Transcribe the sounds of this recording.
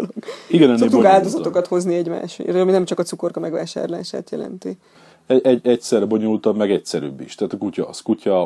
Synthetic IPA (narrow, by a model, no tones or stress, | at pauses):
lokiɡɛnɛnoeːk̪kaːld̪o̞zɒokɒt̪ho̞zniɛɟma̰ːʃrminɛmt͡ʃɒkɒt̪t͡ssuko̞rkɒmɛɡʋa̰ːʃa̰ːɾla̰ːʃa̰ːt̪jɛ̰lɛ̰nt̪i | ɛɛɟɛcsɛrɛbo̞ɲolt̪ɒmmɛɡɛcsɛɾy̰bːiʃt̪æːt̪ɒkucɒ̰skucɒ